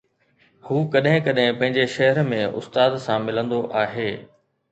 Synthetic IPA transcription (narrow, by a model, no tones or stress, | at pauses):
huːkɐɗɦɪ̃kɐɗɦɪ̃pɐ̃ɦɪ̃ɲd͡ʑeʃɐɦəɾmẽʊ̰st̪aːd̪sãmɪlə̃nd̪oʔaːɦeː